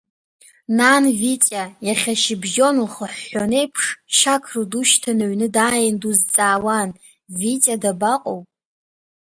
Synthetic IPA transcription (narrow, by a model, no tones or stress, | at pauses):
nanvit͡sʼajaχʲaʃɪbʒo̞nuχəħːonejpʰʂʃakʰruduʃtʰanaɥnɨdaːjɪnduzt͡sʼaːwan | vit͡sʼadabaqʼowpʼ